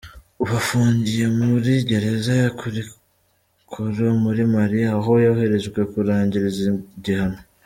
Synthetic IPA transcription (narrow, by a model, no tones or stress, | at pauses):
uβafuːɲɟije̞muɾiɟe̞ɾe̞zajakuɾi | kʰoɾomuɾimaɾiaːɦo̞jahe̞ɾe̞zɡwe̞kuɾaːɲɟiɾiziɟihano